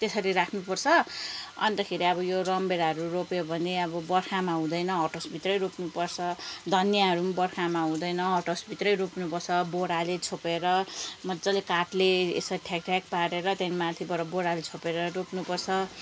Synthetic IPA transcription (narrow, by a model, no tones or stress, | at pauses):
t̪esʌɾiɾakʰnupʌrt͡sʰʌʌ̰nt̪ʌkʰeɾiʌbʌjorʌmbeɾaɦʌɾuropjebʱʌneʌbʌbʌrkʰamaɦũd̪ʌjnʌɦʌʈosbʱit̪rʌjropnupʌrt͡sʰʌd̪ʱʌnjaɦʌɾumbʌrkʰamaɦũd̪ʌjnʌɦʌʈosbʱit̪rʌjropnupʌrt͡sʰʌboɾalet͡sʰopeɾʌmʌd͡zʌlekaʈleḛsʌʈʰjakʈʰjak̚paɾeɾʌt̪ʌnmat̪ʰibʌɾʌboɾalet͡sʰopeɾʌropnupʌrt͡sʰʌ